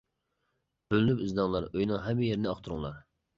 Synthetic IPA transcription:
b̥ølynypyznɑŋlˠɑɾøjnɨŋɦɛmːɪjeɾɪnɪɑχt̪ʰʊɾuŋlˠɑ̰ɾ

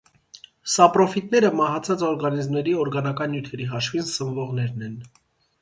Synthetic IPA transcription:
sɑpɾɔfit̪nɛɾəmɑɦɑt͡sʰɑt͡sɔɾɡɑnizmnɛɾiɔɾɡɑnɑkɑnːjut̪ʰɛɾiɦɑʃvinsəmvɔʁnɛɾnɛn

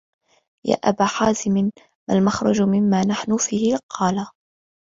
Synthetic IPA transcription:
ja̰ːʔabaːħaːzɪmɪ | malmaxɾˤɑd͡ʒmɪmːaːnaħnʊfiːhɪqʰɑːla

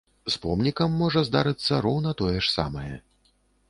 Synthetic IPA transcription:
spɔmnʲikɐmːɔʐɐzd̪aɾɨt̪sːɐɾɔwnɐt̪ɔjɛʂsa̰mɐjɛ

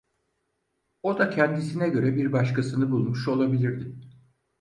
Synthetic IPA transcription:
o̞d̪acʰɛnd̪isinɛɟø̞ɾɛbiɾbaʃkʰasɯnɯbulˠmuʃo̞lˠabilʲiɾd̪ɪ

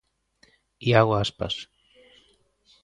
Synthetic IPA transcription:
iaɣoaspa̰s

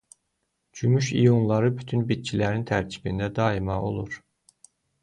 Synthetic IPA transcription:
d͡ʒymyʃijunlˠɑɾɯbyt̪ʰynbit̪̚t͡ʃʰilæɾint̪ʰæɾcʰi̥bind̪æd̪ɑimɑo̰lˠuɾ

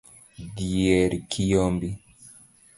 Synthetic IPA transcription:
dieɾikʰijɔmbi

